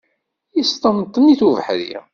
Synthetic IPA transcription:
jist̪ˤəmt̪ˤːəniθuvħɾḭ

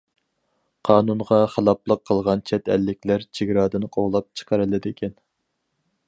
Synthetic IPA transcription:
qʰɑːnunʁɑχəlˠɑplˠəqʰːəlˠʁɑnt͡ʃʰɛt̪ʰɛ̰lːɪkʲlæɾt͡ʃʰɪɡʲɾɑːd̪ɨnɨqʰoʁlˠɑp̚t͡ʃʰə̥qʰəɾɨlˠɨd̪ɪkʲʰɛn

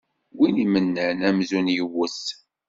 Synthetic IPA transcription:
winimənːənæmzunjəwəs

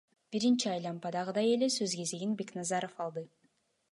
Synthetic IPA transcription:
b̥iɾint͡ʃiɑjlˠɑmpɑd̪ɑʁɯd̪ɑje̞le̞søzɡe̞zeɡinbe̞knɑzɑɾo̞fɑlˠd̪ɯ

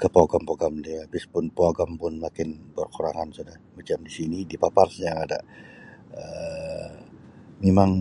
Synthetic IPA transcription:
kəpoɡampoaɡamdiabɪspʊnpoaɡampʊnmakɪnbərkuɾaŋansodahmat͡ʃamdisinidipaparsɲaŋada̰ | ə | memaŋ

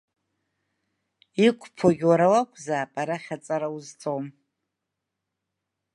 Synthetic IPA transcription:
ikʷʰʼpʰoɡʲwaɾawakʷʰzaːpʼaɾaχʲat͡sʼaɾauzt͡sʼowm

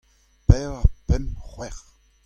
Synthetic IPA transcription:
pɛːʁapɛmχwɛʁ

